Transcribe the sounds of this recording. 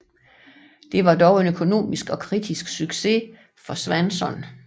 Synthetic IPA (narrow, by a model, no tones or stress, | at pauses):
d̥e̝ʋɑ̈d̥ɒʊe̝nøkʰo̝no̝̰ːmisɡ̥ɒ̽kʰʁid̥isɡ̥syɡ̥se̝ | fɒ̽sʋænsɒ̽n